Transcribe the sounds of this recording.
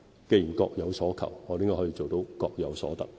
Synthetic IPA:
ke˧jiː˨˩nkɔː˧k̚jɐ˨˧wsɔː˨˥kʰɐ̰˨˩wŋɔː˨˧ɾe˥ŋkɔː˥hɔː˨˥iː˧t͡so˨wt̪o˨˧˥wkɔː˧k̚jɐ˨˧wsɔ̰ː˨˥t̪ɐ̰˨k̚

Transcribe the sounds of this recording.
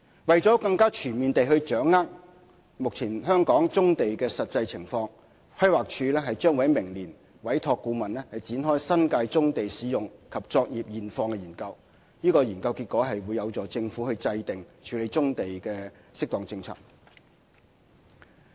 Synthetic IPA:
wɐ˨jt͡sɔː˨˥kɐ˧ŋkaː˥t͡ʃʰyː˨˩nmiː˨nt̪e˨jɦɵ˧ɥt͡ʃœː˨˥ŋːaː˥k̚ | mʊ˨k̚t͡sʰiː˨˩nɦœː˥ŋkɔː˨˥ŋt͡sʊ˥ŋt̪e˨jkɛː˧sɐ˨t̚t͡sɐ˧jt͡sʰɪ˨˩ŋfɔː˧ŋ | fʰɐ˥jwaː˨k̚t͡ʃʰyː˨˧lɛː˥ɦɐ˨jt͡ʃœː˥ŋwɐ˨˥jmɪ˨˩ŋliː˨˩n | wɐ˨˥jt̪ʰɔː˧kːuː˧mɐ˨˩nlɛː˥hɐ˨jt͡siː˨˥nɦɔː˥jsɐ˥nkaː˧jt͡sʊ˥ŋt̪e˨jsiː˨˥jʊ˨ŋkʰɐ˨p̚t͡sɔː˧k̚jiː˨p̚jiː˨˩nfɔː˧ŋkɛː˧jiː˨˩nkɐ˧w | niː˥kɔː˧jiː˨˩nkɐ˧wkiː˧t̚kːɔː˨˥ɦɐ˨jwuː˨˧jɐ˨˧wt͡sɔː˨˥t͡sɪ˧ŋfuː˨˥hɵ˧ɥt͡sɐ˧jt̪ɪ˨ŋt͡ʃʰyː˨˧le˨˧jt͡sʊ˥ŋt̪e˨jkɛː˧sɪ˥k̚t̪ɔː˨˩ŋt͡sɪ˧ŋt͡sʰa̰ː˥k̚

